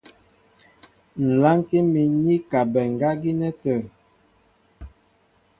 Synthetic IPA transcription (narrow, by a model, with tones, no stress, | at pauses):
n̩˨la˦ŋ˦ke˦mi˨ni˦ka˨bɛ˨ŋ˨ɡa˦ɡi˦nɛ˦tə˨